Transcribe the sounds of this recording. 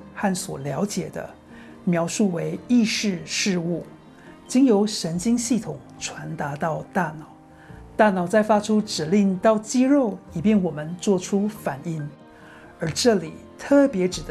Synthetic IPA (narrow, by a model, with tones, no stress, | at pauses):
xa˥˩nswɔ̰˨˩ljɑ˧˥ʊt͡ɕjɛ˨˩d̪ə̰˦ | mjɑ˧˥ʊʂu˥˩we˧˥ɪi˥˧ʂɻ̩˥˧ʂɻ̩˥˧u˥˩ | t͡ɕi˥ŋjo˧˥ʊʂə˧˥nt͡ɕi˥ŋɕi˥˩t̪ʰʊ˨˩˦ŋʈ͡ʂʰwa˧˥nt̪a˧˥t̪ɑ˥˧ʊt̪a˥˩nɑ˨˩˦ʊ | t̪a˥˩nɑ˨˩ʊt͡sa˥˩ɪfa˥ʈ͡ʂʰu˥ʈ͡ʂɻ̩˨˩li˥˩˧ŋt̪ɑ˥˩ʊt͡ɕi˥ɻo˥˩ʊi˨˩pjɛ˥˩nwɔ˨˩mə˦nt͡swɔ˥˩ʈ͡ʂʰu˥fa˨˩ni˥˩ŋ | ə˞˧˥ʈ͡ʂɤ˥˩li˨˩t̪ʰɤ˥˩pjɛ˧˥ʈ͡ʂɻ̩˨˩d̪